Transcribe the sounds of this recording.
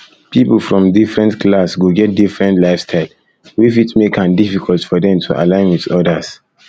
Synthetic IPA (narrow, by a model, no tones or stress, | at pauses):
pipl̩fɹɔ̃mdifɹɛ̃ntklasɡoɡɛt̚difɹɛ̃ntlaɪfstʰaɪl | wifitmekãndifikʰɔlˠtfɔdɛ̃mtʰuʔa̰lãɪ̃nwiðɔdas